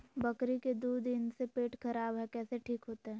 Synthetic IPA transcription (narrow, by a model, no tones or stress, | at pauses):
bɐkɾiked̪uːd̪ɪnsepeːʈkɐɾaːbɦɛkɛːseʈʰiːkɦoːt̪eɦɛ̃ː